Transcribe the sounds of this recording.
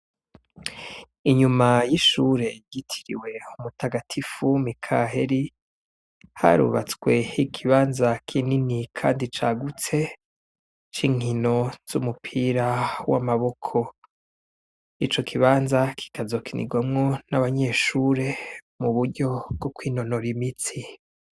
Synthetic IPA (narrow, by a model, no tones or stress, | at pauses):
iɲumajiʃuːɾe̞ɡitʰi̥ɾḭwe̞umutaɡatʰifumikʰaɦe̞ɾi | ha̰ɾṵβa̰t͡swe̞ikʰiβaːnzakʰininikʰaːndit͡ʃaːɡut͡se̞ | t͡ʃiŋino̞z̥umupʰiɾawa̰maβo̞kʰo̞ | it͡ʃo̞kʰiβaːnzakʰi̥kazo̞kʰinḭɡwamŋo̞naβaɲe̞ʃuːɾe̞muβuɾɟo̞bɡokwiːno̞no̞ɾimit͡si